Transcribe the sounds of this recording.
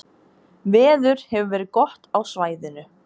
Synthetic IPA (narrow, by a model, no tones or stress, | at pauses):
vɛːðʏɾ̥hɛvʏvɛːɾɪðkɔht̪awsvaːjðɪnʏ